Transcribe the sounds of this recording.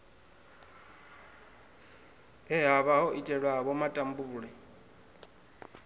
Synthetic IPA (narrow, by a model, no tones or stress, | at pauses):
ɛɦaβaɦɔʔitʼɛɺwaβɔmatʼambuuɺɛ